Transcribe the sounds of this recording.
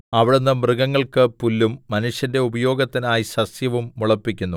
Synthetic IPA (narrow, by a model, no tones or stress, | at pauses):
ɐʋiɽunːɨmrɨɡɐŋːɐɭkɨpulːumːɐnuʂjɐnde̞ubɐjo̞ːɡɐt̪ːinaːjisɐsjɐʋumːuɭɐpːikʲːunːu